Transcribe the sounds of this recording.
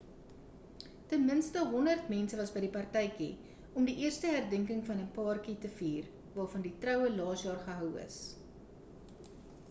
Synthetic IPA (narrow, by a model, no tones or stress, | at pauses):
tənmənstəɦɔndərtmɛnsəvɐsbəjdipɐrtɛjkḭ | ɔmdiʔiərstəɦærdəŋkəŋfɐnəpɑːrkitəfiːr | vɑːrfɐnditrœwəlɑːsjɑːrχəɦœwə̰s